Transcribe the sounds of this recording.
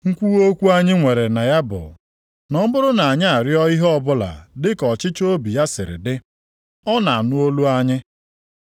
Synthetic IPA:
ŋ̩˦kʷu˦o˦kʷu˦a˦ɲɪ˦ŋʷe˨ɾe˨na˨ja˦bʊ̰˨ | nɔ˦bʊ˦ɾʊ˦na˨ɲɪ˦a˨ɾjɔ˦i˦ɦɔ˦bʊ˦la̰˨dɪ˦kɔ˨t͡ʃɪ˦t͡ʃo˦bi˨ja˦sɪ˨ɾɪ̰˨dɪ˦ | ɔ˦na˨a˨nʊ˦o˦lu˦a˦ɲɪ˦

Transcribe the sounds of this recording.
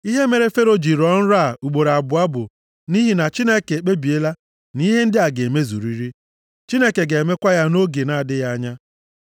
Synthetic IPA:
i˦ɦe˦me˨ɾe˦fe˦ɾo˦d͡ʒi˨ɾɔ˦n̩˦ɾa˦˨u˨ɡ͡bo˨ɾa˨bʊ˨a˦bʊ̰˨ | ni˦ɦi˨na˨t͡ʃi˦ne˦ke˨e˨k͡pe˦bi˨e˦la˦ | ni˦ɦe˦n̩˦dɪ˦a˨ɡe˨e˨me˦zṵ˨ɾi˦ɾi˦ | t͡ʃi˦ne˦ke˨ɡe˨me˦kʷa˦ja˦no˦ɡe˨na˨a˨dɪ˦ja˦a˦ɲa˦

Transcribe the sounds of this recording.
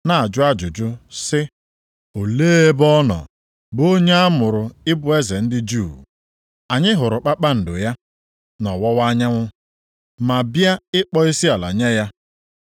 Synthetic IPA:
na˨a˨d͡ʒʊ˦a˦d͡ʒʊ˨d͡ʒʊ˦sɪ˦ | o˨leː˦e˦bɔ˦nɔ̰˨ | bo˦ɲe˦a˦mʊ˨ɾʊ˨ɪ˦bʊ˦e˦ze˨n̩˦dɪ˦d͡ʒuː˦˨ | a˨ɲɪ˦ɦʊ˨ɾʊ˨k͡pa˦k͡pa˦n̩˨dʊ˨ja˦ | nɔ˨wɔ˦wa˦ɲa˦ŋʷʊ˦ | ma˨bja˦ɪ˦k͡pɔ˦i˦si˦a˨la̰˨ɲe˦ja˦

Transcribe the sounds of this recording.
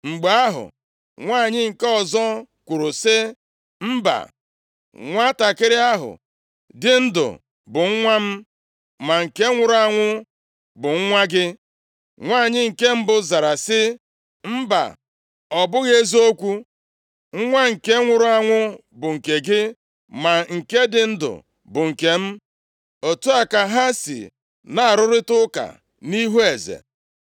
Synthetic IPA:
ŋ͡m̩˨ɡ͡ba˨a˦ɦʊ̰˨ | ŋʷaː˦˨ɲɪ˦ŋ̩˨ke˦ɔ˨zɔ˦ | kʷu˨ɾu˨sɪ˦ | m̩˦ba̰˨ | ŋʷa˦ta˨kɪ˦ɾɪ˦a˦ɦʊ̰˨ | dɪ˦n̩˦dʊ̰˨ | bʊ˨ŋ̩˦ŋʷa˦m̩˦ | ma˨ŋ̩˨ke˦ŋʷʊ˨ɾʊ˨˦a˦ŋʷʊ˦ | bʊ˨ŋ̩˦ŋʷa˦ɡɪ˦ | ŋʷaː˦˨ɲɪ˦ŋ̩˨ke˦m̩˦bʊ˨za˨ɾa˨sɪ˦ | m̩˦ba̰˨ | ɔ˨bʊ˦ɣe˦zo˦kʷu˦ | ŋ̩˦ŋʷa˦ŋ̩˨ke˦ŋʷʊ˨ɾʊ˦a˦ŋʷʊ˦ | bʊ˨ŋ̩˨ke˨ɡɪ˦ | ma˨ŋ̩˨ke˦dɪ˨n̩˦dʊ̰˨ | bʊ˨ŋ̩˨ke˨m̩˦ | o˨tu˦a˨ka˨ɦa˦sḭ˨ | na˨a˨ɾʊ˦ɾɪ˦tʊ˦ka̰˨ | ni˦ɦu˦e˨zḛ˨

